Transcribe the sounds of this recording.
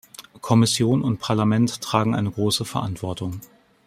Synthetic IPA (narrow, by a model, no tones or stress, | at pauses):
kʰɔmɪsjoːnʊntpʰaɐlamɛntʰːʁ̥aːɡŋ̩ʔa̰ɪnəɡʁoːsəfɛɐʔantv̥ɔɐtʊŋ